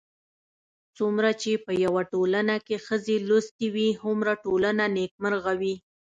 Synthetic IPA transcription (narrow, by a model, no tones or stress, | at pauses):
t͡sumɾat͡ʃepəjawaʈolanakexəzelost̪iwihʊmɾaʈolananek̚məɾɣawi